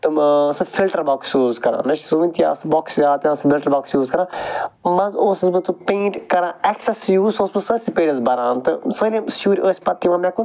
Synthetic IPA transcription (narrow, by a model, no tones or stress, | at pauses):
t̪ɨsɨfʰilʈɐɾbɔːksjuːzkɐɾã̰ːnɐʃsuʋɐnʲt̪ija̰ːsbɔːksjaːt̪jãːsmilʈɐɾbɔːksjuːzkɐɾãːmɐzoːsɐzmɐt͡s̪upẽːɳʈkɐɾãːɛksɛsjuːzoːsmɐsəʈsipeːʈɐzbɐɾãːnt̪ɨsɐlĩʃuːɾʲʔoːsʲpɐt̪ːimãːmɛ̃kun